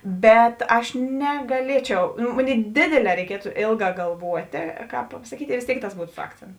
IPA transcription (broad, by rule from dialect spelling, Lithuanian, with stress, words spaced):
ˈbʲɛt ˈɐʃ nʲɛɡɐˈlʲiɛt͡ʃʲɛʊ nʊ ˈmoːˌnʲeːɪ ˈdʲeːdʲeːˌlʲɛː rʲɛɪˈkʲiɛtʊ ˈeːlˠˌɡɑː ɡɐlˠˈʋuɔtʲeː ˈkɑːp pɐsɐˈkʲiːtʲɪ ɪ ʋʲeːs ˈtʲeːɪk tɐs ˈbuːtʊ sʊ ˈɑːkt͡sʲɛntʊ